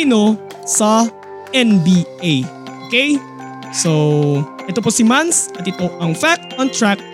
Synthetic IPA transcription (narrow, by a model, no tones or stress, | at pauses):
no | sɐ | ʔɛnbiej | ʔʔokej | sowʔɛt̪oposɪmansɐt̪ɪt̪oʔɐŋfak̚tɔnt̪ɹak̚